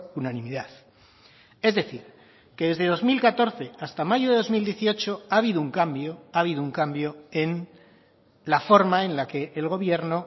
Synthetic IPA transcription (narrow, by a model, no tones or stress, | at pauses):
unanĩmiðað | e̞zðe̞θiɾ | ke̞ðe̞zðe̞ð̞o̞zmilkat̪o̞ɾθe̞ast̪amaʝoðe̞ð̞o̞zmild̪je̞θio̞t͡ʃo̞aβiðouŋkambjoaβiðouŋkambjo̞e̞n | lafo̞ɾmaẽ̞nlake̞ʔːlɣ̞o̞βje̞ɾno